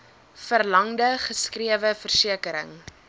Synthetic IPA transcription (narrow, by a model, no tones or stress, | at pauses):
fərlɐŋdəχəskriəvəfərsiəkəɾə̰ŋ